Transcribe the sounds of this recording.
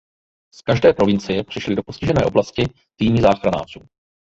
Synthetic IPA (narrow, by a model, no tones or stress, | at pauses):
skaʒdɛːpɾo̞vɪnt͡sɪjɛpr̥ɪʃlɪdo̞po̞scɪʒɛnɛ̰ːʔo̞blascɪ | t̪iːmɪzaːxɾana̰ːr̝uː